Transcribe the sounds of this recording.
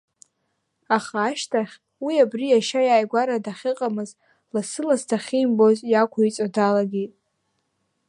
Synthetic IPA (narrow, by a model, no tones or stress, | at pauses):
aχaːʃtʰaχʲ | wiabrijaʃajaːjɡʷaɾadaχʲɪqʼamɨz | lasɨlastʰaχʲimbozjakʷʰait͡sʼadalaɡʲi